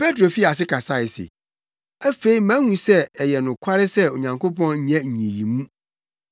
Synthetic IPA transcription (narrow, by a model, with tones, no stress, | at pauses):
pe˦tɾo˨fi˦a˨s̬ɪ˦kʰa˨sa˦˨ɪ˨sɪ̰˨ | æ˦fe˦i˦mæ̃˦hũ˨sɛ˦ɛ˨jɛ˨nʊ̃˨kʷʰa˦ɾɪ˦sɛ˦o˨ɲã˨ŋko˦pɔ̃˦nɲ̩˨ɲɛ̃˦ɲ̩˨ɲĩ˨jĩ˨mũ˦